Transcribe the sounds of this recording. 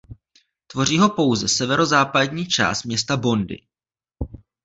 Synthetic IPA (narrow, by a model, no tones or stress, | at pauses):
t̪vo̞riːɦo̞po̞wzɛsɛvɛɾo̞zaːpadɲiːt͡ʃa̰ːst̪̚mɲɛst̪abo̞ndɪ̰